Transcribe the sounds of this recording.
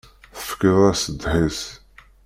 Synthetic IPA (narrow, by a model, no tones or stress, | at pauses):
θə̥fkəðˤæsəd̪ħis